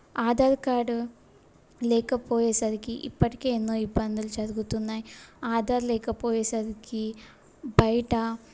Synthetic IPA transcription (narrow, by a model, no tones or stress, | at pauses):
aːd̪aːɾkaːɖu | lɛːkɐpoːjɛːsɐɾikiʔḭpːɐʈike̞ːenːoːibːɐnd̪ulud͡ʒɐɾuɡut̪unːaːjiaːd̪aːɾlɛːkɐpoːjɛːsɐɾiki | bɐjɐʈɐ